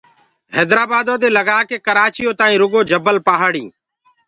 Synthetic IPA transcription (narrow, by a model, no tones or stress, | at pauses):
ɦɛːd̪ɾaːbaːd̪õːd̪eːləɡaːkeːkəɾaːt͡ʃɪjõːt̪aːĩːɾʊɡoːd͡ʒəbəlpaːɦaːɽĩː